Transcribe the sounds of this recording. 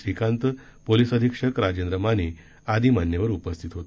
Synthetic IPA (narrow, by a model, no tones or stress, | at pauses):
ikʰãnt̪ | polisəd̪ʱikʂəkɾad͡ʑend̪ɾəmaniː | ad̪iːmanjəʋəɾupəst̪ʰit̪ɦot̪